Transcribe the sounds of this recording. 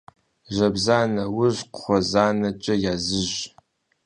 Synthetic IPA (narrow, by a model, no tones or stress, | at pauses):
ʒɐbzaːnɐwʊʑqə̥χʷɔzaːnɐt͡ʃʼɐjaːzɨʒ